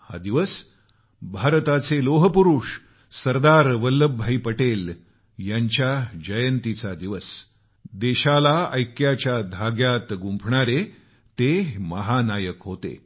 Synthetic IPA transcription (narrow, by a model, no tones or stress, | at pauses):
ha̰d̪iʋəs | bʱaɾt̪at͡seloɦəpuɾuʂ | səɾd̪aɾʋəlːəbʱːaiːpəʈel | jaɲt͡ɕjad͡ʑəjənt̪it͡sad̪iʋəs | d̪eɕalaəjkjat͡ɕjad̪ʱaɡjat̪ɡumpʰɳaɾe | t̪eməɦanajəkɦot̪ḛ